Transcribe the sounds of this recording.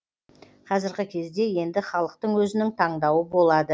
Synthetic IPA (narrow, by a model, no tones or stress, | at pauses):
qʰɑzɪɾɡʲɪkʲʰe̞zd̪e̞je̞nd̪ɪχɑlˠəq̚t̪əɴwɵzɪnɪŋt̪ʰɑɴd̪ɑwəbo̞lˠɑd̪ə